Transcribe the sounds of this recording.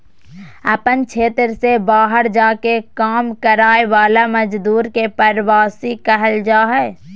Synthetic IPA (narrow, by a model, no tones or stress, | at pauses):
əpənt͡ʃʰeːt̪ɾsebaːɦəɾd͡ʒaːkekaːmkəɾaːeʋaːlaməd͡ʒd̪uːɾkepəɾwaːsikɛɦəld͡ʒaːɦɛː